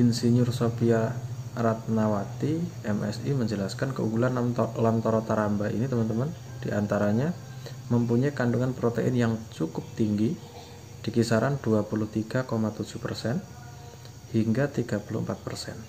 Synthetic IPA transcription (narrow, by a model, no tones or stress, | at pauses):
insiɲʊrsopiaɾat̪̚nawat̪iɛmɛ̰siməɲd͡ʒəlaskankəuɡulanlamt̪oɾɔt̪aɾambaʔḭnit̪əmənt̪əmən | d̥iʔant̪aɾaɲa | məmpuɲaikanduŋanpɾot̪eʔɪ̰njaŋt͡ʃukʊp̚t̪iŋɡi | d̥ikisaɾanduapulʊht̪iɡ̥a̤komat̪ud͡ʒ̥uhpərsɛn | hiŋɡat̪iɡ̥apulʊ̰əmpat̪̚pərsɛ̰n